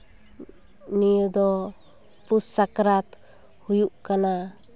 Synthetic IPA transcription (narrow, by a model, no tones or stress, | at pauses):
nijəd̪ɔ | pusːakɾat̪ | hujuʔkana